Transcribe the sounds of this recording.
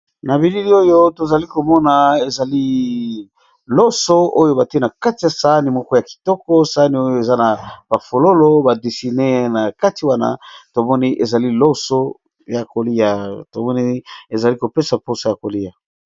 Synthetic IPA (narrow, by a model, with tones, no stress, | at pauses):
na˨bi˨li˦li˦o˦jo˦to˨za˨li˦ko˨mɔ˦na˨e˨za˨li˦ | lɔ˦so˦o˦jo˦ba˨ti˦e˦na˨ka˦ti˨ja˨sa˨˦ni˨mɔ˦kɔ˦ja˨ki̥˨tɔ˦kɔ˦sa˦ni˨o˦jo˦e˨za˦na˨b̥a˨fo˨lo˦lo˦ba˨di˨si˨ne˦na˨ka˦ti˨wa˦na̰˦to˨mɔ˦ni˦ʔe˨za˨li˦lo˦so˦ | ja˨ko˨li˦a˨to˨mɔ˦ni˦e˨za˨li˦ko˨pe˦sa˨po˦sa˨ja˨ko˨li˦ja˨